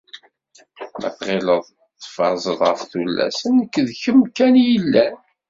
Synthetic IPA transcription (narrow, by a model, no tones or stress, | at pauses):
mʔæ̰θʁɪləðˤ | θfɑɾˤzˤəðˤʁəfθulːæ̰sənkːðçəmkænjəlːæn